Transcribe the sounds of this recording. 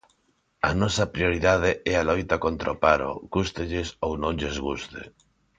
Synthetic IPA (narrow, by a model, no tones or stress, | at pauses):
a̰nɔsapɾioɾiðað̞eʔɛalojt̪akont̪ɾaopaɾo̰ɣust̪eʎesownõŋʎezɣust̪ḛ